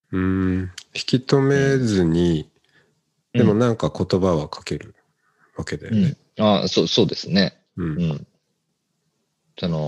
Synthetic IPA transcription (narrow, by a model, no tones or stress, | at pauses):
ɯ̟̃çi̥kʲit̪o̞me̞zɨɲ̟i | d̪̥e̞mo̞nãŋkako̞t̪o̞baβakʰḁke̞ɾɯ̟̰ | βake̞d̪e | asoːso̞ːd̪e̞sɨne̞ | ɯ̟̃ɴɯ̟̃ɴ | sono